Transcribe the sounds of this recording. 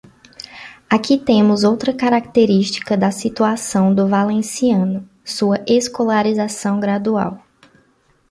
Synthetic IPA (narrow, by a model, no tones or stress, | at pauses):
akit̪ẽmʊzowt̪ɾɐkaɾak̚t̪eɾiʃt͡ʃi̥kɐd̪ɐsit̪uasɐ̃w̃d̪ʊvalẽsiɐ̃nʊ | suɐʔeskolaɾizasɐ̃w̃ɡɾad̪ua̰w